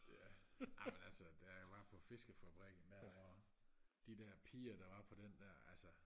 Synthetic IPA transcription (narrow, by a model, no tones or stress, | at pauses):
jæɑ̈ɪmenælsəd̥æʋɑ̈pʰɒ̽fe̝sɡ̥əfæb̥ʁɛɡ̥n̩meɒɐ | d̥id̥æɐ̰pʰḭːɐd̥ɑ̈ʋɑ̈pʰɒ̽d̥end̥æɐ̰ælsə